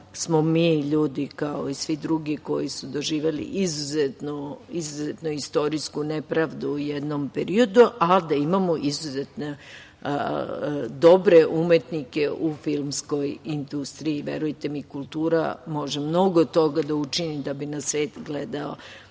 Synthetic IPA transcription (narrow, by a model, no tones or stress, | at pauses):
smomiʎuːd̪ikaoisʋid̪ɾuɡiko̞̰jisud̪o̞ʒiːʋe̞lḭʔizuzet̪noizuzet̪noist̪o̞ɾiskunepɾaʋd̪uːjed̪nompeɾio̞d̪uʔad̪aimamoʔizuzet̪ne | d̪obɾe̞ʔumet̪nike̞ʔufilˠmsko̞jind̪ust̪ɾiiʋḛɾujt̪e̞mikulˠt̪uːɾa̰mo̞ʒemno̞ɡot̪ːo̞ɡad̪aut͡ʃinimd̪abinasʋeːt̪ɡled̪ao̰